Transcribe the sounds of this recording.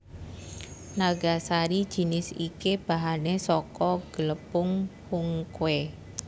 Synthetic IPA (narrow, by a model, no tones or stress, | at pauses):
naɡasaɾi̥ʒ̥i̤nɪsikeb̥a̤ɦanesɔkɔɡ̥ələpʊŋhʊŋkwe